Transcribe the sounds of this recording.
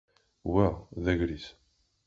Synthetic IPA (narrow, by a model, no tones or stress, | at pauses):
wæʁðæʝɾis